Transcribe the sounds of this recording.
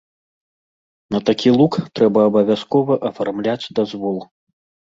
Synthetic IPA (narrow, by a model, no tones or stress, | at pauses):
nɐt̪akʲilˠukt̪ɾɛbɐːbɐvʲaskɔvɐʔɐfarmlʲat͡sʲd̪azvɔlˠ